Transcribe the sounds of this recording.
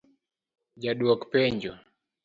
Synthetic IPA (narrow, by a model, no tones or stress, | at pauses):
d͡ʒaɗuɔkpɛɲd͡ʒɔ